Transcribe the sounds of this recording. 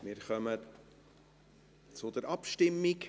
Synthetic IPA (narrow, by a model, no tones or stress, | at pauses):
mɪɾχœmə | t͡sʊd̪̥əɾɑpʃtɪmːik